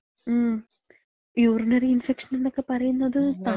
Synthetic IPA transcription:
m | juːɾunɐɾiinfekʂɐnend̪okːepɐɾɐjunːɐðɨt̪a

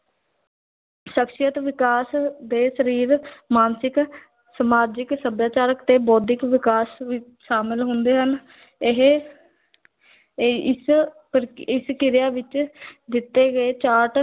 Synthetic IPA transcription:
ʃəkʃɪjət̪ʋɪkaːsd̪eːsəɾiːɾmaːnsɪk | səmaːd͡ʒɪksəbjaːt͡ʃaːɾəkt̪eːbɔːd̪ɪkʋɪkaːsʋɪ | ʃaːmɪlɦʊ̃nd̪eːɦən | ɪɦ | ɪs | pɾɪskɪɾjaːʋɪt͡ʃd̪ɪt̪ːeːɡəeːt͡ʃaːʈ

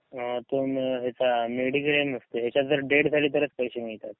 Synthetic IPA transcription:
ət̪omɦet͡sameɽikɾemist̪oɦet͡ɕad͡zəɾɖeɽd͡zʱaliːt̪əɾət͡spəjɕemiɭt̪at̪̚

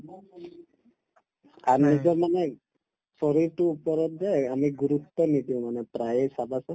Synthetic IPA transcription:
anad͡ʒɔmane | sɔɾiʈuːpɔɾɔt̪d͡ʒeamiɡuɾut̪ːɔnid̪iw̃manɛpɾajesabʱasɔ

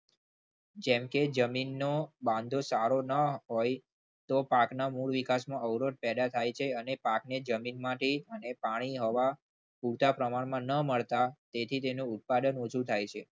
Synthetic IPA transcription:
d͡ʒɛ̃mked͡ʒəminːobãnd̪ʱosaɾonəɦoj | t̪opaknamuɭʋikasmãəʋɾot̪̚pɛd̪at̪ʰajt͡ʃʰeənepakned͡ʒəminmãʈeənepaɽ̃iɦɔʋa | puɾt̪ʰapɾəmaɳmãnəməɭt̪at̪et̪ʰit̪enũːt̪̚pad̪ənot͡ʃʰut̪ʰajt͡ʃʰe

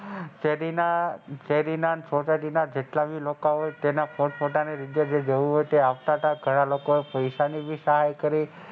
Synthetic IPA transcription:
t͡ʃeɾinat͡ʃeɾinansot͡ʃaʈinad͡ʒeʈlabilokaɦojt̪enafʰoʈfʰoʈaneɾid̪jad͡ʒed͡ʒəʋũɦojt̪eaʋt̪at̪aɡʱəɽ̃alokoepəjʃanibʱisəɦajkəɾi

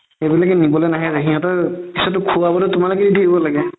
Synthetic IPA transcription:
ebilakɛnibɔlɛnaɦɛzaɦiɦɔ̃tɔkisɔtʊkʰuwabɔlɔtʊmalʊkɛdidʱeɡibɔlaɡɛ

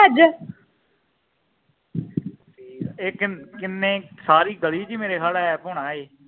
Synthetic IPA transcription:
d͡ʒ | ʈiːeːkkɪnːẽːsaːɾiːɡəliːd͡ʒiːmeːɾeːɦaɽɛːpʊːɽ̃aːeː

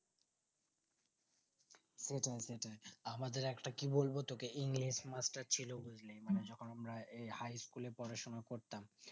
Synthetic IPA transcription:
seʈʰaeseʈʰaeamad̪eɾɛkʈakibolbot̪okeʔiŋliʃmasʈaɾt͡ɕʰiloɡud͡ʑlejmaned͡ʑɔkʰonamɾaehajskuleɾpɔɾaʃonakoɾt̪am

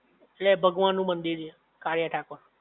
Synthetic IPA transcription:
elebʱəɡʋanːũːmənd̪iɾe | kaɾjaʈʰaːkoɾ

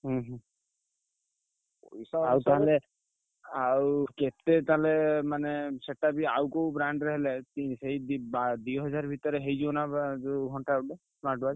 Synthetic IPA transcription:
ɦɦ | oisaawt̪aɦale | awket̪et̪aɦalemaneseʈːabiawkowbɾaɳɖɾeɦelet̪iseɦid̪bad̪ujɦɔd͡ʒaɾbʱit̪ɔɾeɦejd͡ʒiɔnad͡ʒuɡʱɔɳʈaube | smaɾʈbad͡ʒ

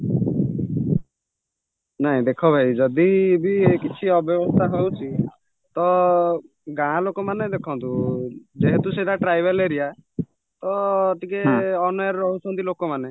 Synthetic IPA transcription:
naɦĩd̪ekʰɔbʱaid͡ʒɔd̪ibiekit͡ʃʰiɔbjɔbɔst̪ʰaɦowt͡ʃʰi | t̪ɔ | ɡãlokɔmaned̪ekʰɔnt̪ud͡ʒeɦet̪useʈaʈɾajbeleɾija | t̪ɔːʈ̪ikeɔnɔjaɾɾɔɦut͡ʃʰɔnt̪ilokɔmane

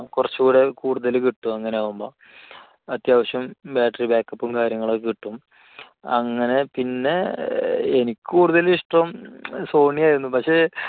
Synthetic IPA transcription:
kurɐt͡ɕːuɣuːɽe̞kuːɽuðɐlkiʈːumɐŋːɐne̞aːʋumbo̞ː | ɐt̪jaːʋɐɕjɐmbaːʈːɐribaːkːɐpːumkaːɾjɐŋːɐɭokiʈːum | ɐ̰ŋːɐne̞pinːe̞ | enikʲːkuːɽuðɐliʂʈrɐmso̞ːɳijaːjiɾunːupɐkʂe̞ː

